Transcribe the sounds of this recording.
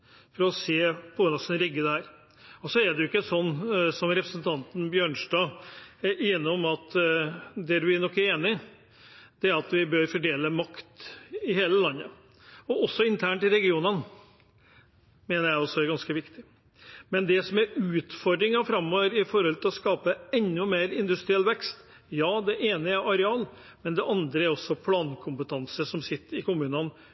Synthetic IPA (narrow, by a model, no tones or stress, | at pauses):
fɔɾɔseːpʰɔːnɑsɛnɾɪɡːəd̪ɛhæːɾ | ɔsɔæɖ̪ɛjʊɪkːəsɔnːsɔmɾɛpɾəsənt̪ʰɑnt̪n̩bjøːɳʂʈɑː | eːnɪɔmɑt̪ | d̪ɛd̪ʉʋænɔkːæɾeːnɪ | d̪̥ɛæɾɑt̪ʋɪbøɾfɔɖeːləmɑkt̪ɪheːləlɑnːə | ɔʔɔsːɔɪnt̪ʰæːɳʈ̪ɪlɾɛɡɪuːnən | meːnəɾjæɪɔsːɔæɾɡɑnskəʋɪkt̪ɪ | mɛnd̪ɛsɔmæɾʉːt̪fɔɾd̪ɾɪŋɑfɾɑmːɔːʋəɾɪfɔɾhɔlt̪ʰɪlɔskɑːpəɛnːʉmeːɾɪnd̪ʉst̪ɾɪɛlːʋɛkst̪ | jɑːd̪ɛʔeːnəæɾʔɑɾɛɑːl | mɛnd̪ɛʔɑnd̪ɾəæɾɔsːɔpʰlɑːnkʰʊmpət̪ʰɑnsəʂɔmsɪt̪ːəɾɪkʊmʉːnən